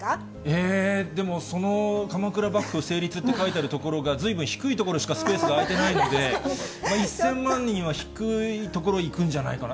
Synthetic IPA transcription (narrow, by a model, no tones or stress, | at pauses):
eːd̪e̞mo̞so̞no̞kamakɯ̟ɾabakːɯ̟ose̞ːɾʲit͡sɨt̪ːe̞kait̪aɾɯ̟t̪o̞ko̞ɾo̞ɡazɨibɯ̃ɰ̃çi̥kɯit̪o̞ko̞ɾoɕi̥kasɨ̥pe̞ːsɨɡaːit̪e̞naino̞d̪e̞maisːẽ̞mːãɲ̟ːĩɲːĩβaçi̥kɯ̟it̪o̞k̬o̞ɾo̞ikɯ̟̃ɲ̟d͡ʑana̰ikana